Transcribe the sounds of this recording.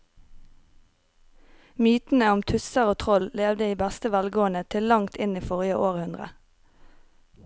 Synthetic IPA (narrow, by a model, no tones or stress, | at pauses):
myːt̪n̩əʊmt̪ʰʉsəʁoːt̪ʰʁɔlleːʋd̪əiːbæst̪əʋælɡoːənət̪ʰɪllɑŋt̪ʰɪniːfɔʁjəʔoːʁhʉnd̪ʁə̰